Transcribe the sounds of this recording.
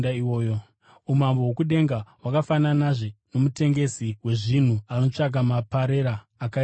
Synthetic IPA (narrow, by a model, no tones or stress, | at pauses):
daiwoːjo | umambowokuɗe̞ŋɡawakafananaʐeno̞mute̞ŋɡe̞siwe̞ʐin̤uano̞t͡ʂaɡ̬ʱamapaɾeɾaː | ka